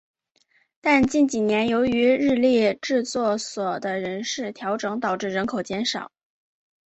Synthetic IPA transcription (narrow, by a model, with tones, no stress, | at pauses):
t̪a˥˧nt͡ɕi˥˩nt͡ɕi˨˩njɛ˧˥njo˧˥ʊy˧˥ɻɻ̩˥˧ljɛ˥˧ʈ͡ʂɻ̩˥˧t͡swɔ˥˩swɔ˨˩d̪ə˦ɻə˧˥nʂɻ̩˥˩t̪ʰjɑ˧˥ʊʈ͡ʂɤ˧˥ŋt̪ɑ˨˩ʊʈ͡ʂɻ̩˥˩ɻə˧˥nkʰo˨˩ʊt͡ɕjɛ˧˥nʂɑ̰˨˩˦